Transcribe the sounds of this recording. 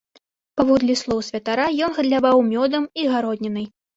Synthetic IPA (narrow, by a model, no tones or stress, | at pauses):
pavɔd̪lʲislˠɔwsʲvʲɐt̪aɾajɔnɣɐd̪lʲavawmʲɔd̪ɐmiɣaɾɔd̪ʲnʲɛnɨj